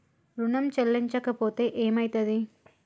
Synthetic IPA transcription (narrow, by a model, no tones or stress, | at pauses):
ɾuɳɐmt͡ʃɐlːiɲt͡ʃɐkɐpoːt̪e̞ːʔeːmɐjt̪ɐd̪i